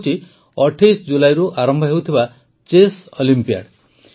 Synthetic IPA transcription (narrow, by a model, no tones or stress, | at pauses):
t͡ʃʰi | ɔʈʰajsɔd͡ʒulajɾuʔaɾɔmbʱɔɦewt̪ʰiba | t͡ʃesɔlimpia̰ɽ